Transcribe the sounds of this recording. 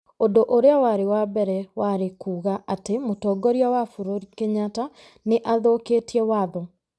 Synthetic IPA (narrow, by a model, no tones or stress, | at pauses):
odoʔoɾeawaɾewabɛɾɛwaɾekuːɣaʔatemotɔːɡɔɾiawafoɾoɾikeɲata | neʔaðokeːtiɛwaðɔ